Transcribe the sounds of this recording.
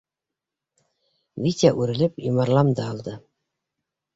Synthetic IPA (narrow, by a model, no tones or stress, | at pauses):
vʲit̪ʲaʔʉɾɘ̆lɘpjomɑɾlˠɑmd̪ɑːlˠd̪ɤ